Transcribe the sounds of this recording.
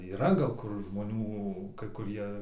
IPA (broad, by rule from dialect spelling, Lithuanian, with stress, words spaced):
iːˈrɐ ɡɐlˠ ˈkʊr ʒmoːˈnʲuː kɐɪ kʊˈrʲiɛ